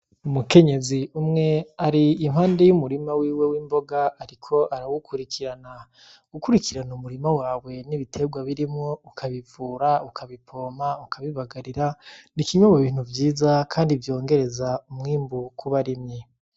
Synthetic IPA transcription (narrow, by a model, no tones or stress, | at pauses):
umuke̞ɲe̞ziumŋe̞aɾiːmɦaːnde̞jumuɾimawiːwe̞wiːmbo̞ɡaaɾikʰo̞ʔaɾawukʰuɾikiɾana | ɡ̥ukuɾikiɾanumuɾimawaːwe̞niβitʰe̞ɡwaβiɾimŋo̞ukʰaβivuːɾaukʰaβipʰo̞maukʰaβiβaɡaɾiɾanikiɲuβoβiːn̥uvjiːzakʰaːndivjo̞ːŋɡe̞ɾe̞zaumŋiːmbukʰuβaɾimɲe